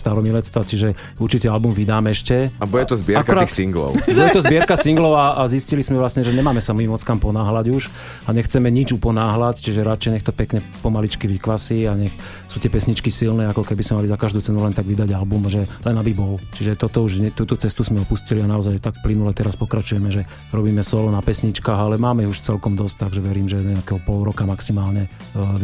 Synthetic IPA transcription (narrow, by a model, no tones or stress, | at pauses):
st̪aɾɔmilɛt̪st̪ʋat͡ʃiʒɛ | uɾt͡ʃit̪ialbumʋid̪aːmɛɛʃcɛabɔjɛt̪ɔzbɪɛaɾakaɔɾaixsiŋɡlɔ̰ʊbɔjɛt̪ɔzbɪɛɾkasiŋɡlɔʊaʔaziscilismɛʋlasɲɛʒɛɲɛmaːmɛsamiːmɔt͡skampɔnaːɦlaɟuʃ | aɲɛxt͡sɛmɛɲid͡ʒupɔnaːɦlact͡ʃiʒɛɾat͡ʃɛjɲɛxt̪ɔpɛkɲɛpɔmalit͡ʃkiʋikʋasiːaɲɛx | sut̪ɪɛpɛsɲit͡ʃkisilnɛːakɔkɛbismɛmalizakaʒd̪ut͡sɛnulɛnt̪aɡʋid̪aɟalbumʒɛlɛnabibɔlt͡ʃiʒɛt̪ɔt̪ɔuʒɲɛt̪uːt̪ɔt͡sɛst̪uzmɛɔpuscilianaɔzajt̪akplinulɛt̪ɛɾaspɔkɾat͡ʃujɛmɛʒɛ | ɾɔbiːmɛsɔlɔnapɛsɲit͡ʃkaːɦalɛmaːmɛiuʃt͡sɛlkɔmd̪ɔs̚t̪aɡʒɛʋɛɾiːmʒɛɲɛakɛːɦɔpɔlɾɔkamaksimaːlɲɛ